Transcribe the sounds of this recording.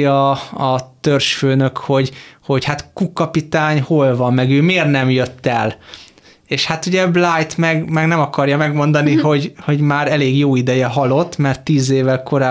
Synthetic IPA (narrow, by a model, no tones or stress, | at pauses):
ɒɒt̪ørʃføːnøkho̞ɟho̞ɟhat̪kukːɒpit̪aːɲho̞lvɒmːɛɡøːmeːrnɛmjøt̪ːɛl | eːʃhat̪uɟɛblajt̪mɛɡmɛɡnɛmɒkɒrjɒmɛɡmo̞nd̪ɒniɦo̞ɟho̞ɟmaːɾɛleːɡjoːid̪ɛjɛɦɒlo̞t̪ːmɛrt̪ːiːzeːvɛlko̞ɾaː